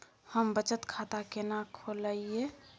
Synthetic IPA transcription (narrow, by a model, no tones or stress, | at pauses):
həmbət͡ʃət̪kʰat̪akenakʰoləie